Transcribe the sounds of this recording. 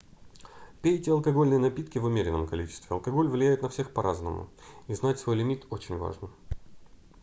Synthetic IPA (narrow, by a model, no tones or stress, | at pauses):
pʲejɪtʲɪɐlˠkɐɡo̞lʲnəjənɐpʲit̪kʲɪvʊmʲeɾʲɪnːəmkɐlʲit͡ɕɪ̥st̪vʲɪɐ̰lˠkɐɡo̞lʲvlʲɪjæjɪt̪nɐfsʲe̞xpɐɾʔaznə̰mʊ̰iznatʲsvo̞jlʲɪmʲit̪o̞t͡ɕɪnʲva̰ʐnɨm